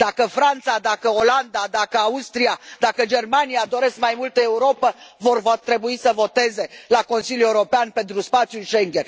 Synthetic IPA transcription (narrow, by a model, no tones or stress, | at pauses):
d̪̥akəfɾant̪sad̪akəo̞land̪ad̪akəaust̪ɾiad̪akəd͡ʒe̞rmanijad̪o̞ɾe̞skmajmult̪əe̞uɾo̞pəvo̞rvot̪ɾe̞buisəvo̞t̪e̞ze̞lako̞nsiljue̞uɾo̞peanpe̞nt̪ɾuspat̪sjuʃe̞ŋɡʲen